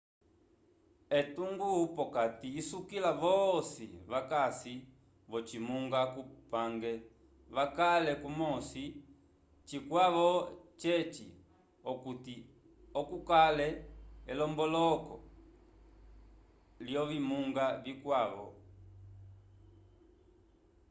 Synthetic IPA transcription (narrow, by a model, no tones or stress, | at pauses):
ɛtuŋɡupɔkatiːsukilavɔsḭβakasi | βɔt͡ʃimuŋɡakupaŋɡɛ | βakalɛkumɔsi | t͡ʃikwaʋɔt͡ʃɛt͡ʃḭ | ɔkuti | ɔkukalɛɛlɔmbɔlɔkɔ̰ | ljɔvimuŋɡavikwaβɔ̰